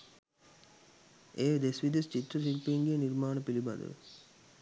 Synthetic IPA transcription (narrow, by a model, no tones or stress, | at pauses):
ʔeːd̪esʋid̪est͡ʃit̪ɾɐs̬ilpiːŋɡijeniɾmaːnəpilibɐ̰d̪ə̰